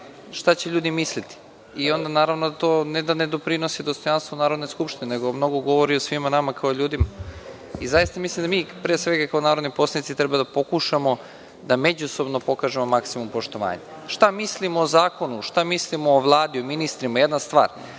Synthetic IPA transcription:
ʃt̪at͡ɕeʎuːd̪imislit̪i̥ | io̞nd̪anaːɾaʋnod̪at̪oːned̪aned̪opɾino̞sid̪ost̪ojanst̪vonaːɾod̪neskupʃt̪ineneɡomno̞ɡoɡo̞ʋoɾiosʋimanamakaoʎuːd̪ima | izajist̪amislimd̪amiːpɾeːsʋeɡakaonaːɾod̪nipo̞slanit̪sit̪ɾebad̪apo̞kuʃamo̞ | d̪ame̞d͡ʑuso̞bnopo̞kaːʒemomaksimumpo̞ʃt̪o̞ʋa̰ːɲa | ʃt̪amislimoːzaːko̞nuʃt̪amislimoːʋlˠaːd̪iominist̪ɾimajed̪nast̪ʋa̰ːɾ

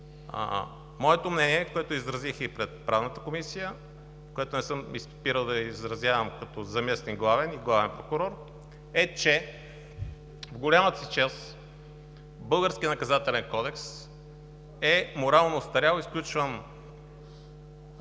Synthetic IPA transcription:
mɔɛt̪omnɛniɛkoɛt̪oizɾɐzixipɾɛt̪̚pɾavnət̪əkomisijə | koɛt̪ʊnɛsɤmispiɾəlˠd̪ɐizɾɐzʲjavəmkɐt̪ɔzɐmɛst̪inɡlˠavɛniɡlˠavɛnpɾokʊɾɔɾ | ɛt͡ʃɛ | vɡolʲamət̪əsit͡ʃas | bɤlˠɡəɾskʲiənɐkɐzat̪ɛlɛnkɔd̪ɛks | ɛmoɾalˠnost̪ɐɾʲalˠisklʲut͡ʃvən

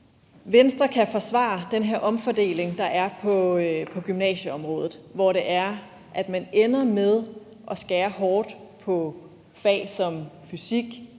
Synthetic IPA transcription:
ʋensd̥ʁɐkʰæfɒ̽sʋɑ̰̈d̥enɦeɐ̰ʔɒ̽mfɒd̥e̝̰ːle̝ŋd̥ɑ̈ʔæɐpʰɒ̽pʰɒ̽ɡ̥ymnɛ̰ːɕəɒ̽mʁɔ̽ːðˠð̩ˠʋɒɾe̝ʔæɐ | ʔæd̥mænenɐmeð̞ˠ | ʔɒ̽sɡ̥ɛːɐɦɒːd̥pʰɒ̽ | fɛ̰ːsɒ̽mfysiɡ̥

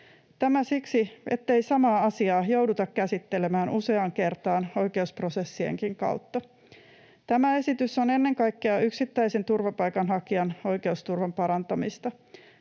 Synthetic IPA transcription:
t̪æmæsiksie̞t̪ːe̞isɑmɑːɑsiɑːjo̞wdut̪ɑkkæsit̪ːe̞lemæːnʔuse̞ɑŋke̞rt̪ɑːno̞jke̞uspro̞se̞sːiḛŋkiŋkɑ̰wt̪ːɑ | t̪æmæe̞sit̪yso̞ne̞nːe̞ŋkɑjkːeɑʔyksit̪ːæisent̪urʋɑpɑjkɑnɦɑkiɑno̞jke̞ust̪urʋɑmpɑɾɑnt̪ɑmist̪ɑ

